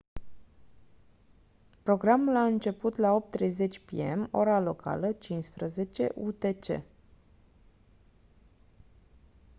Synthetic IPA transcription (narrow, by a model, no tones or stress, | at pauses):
pɾo̞ɡɾamulaɨnt͡ʃe̞put̪lao̞p̚t̪ːɾe̞jze̞t͡ʃʲpḭe̞̰mo̞̰ɾalo̞kʰa̰lət͡ʃinspɾəze̞t͡ʃe̞̰ʔut̪e̞t͡ʃe̞̰